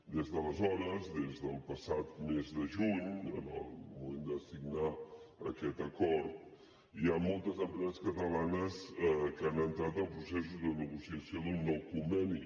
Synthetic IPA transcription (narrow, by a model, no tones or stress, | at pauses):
d̪ezðələzɔɾəzðezðəlˠpəsat̪mezðəʒuɲə̰nə̰lˠmumend̪əsiɡnaə̰kɛt̪əkɔɾt̪ | iamɔlˠt̪əzəmpɾɛzəskət̪əlanəskəanənt̪ɾat̪əlˠpɾusɛsuzðənəɣusiəsioðunnːɔwkumbɛni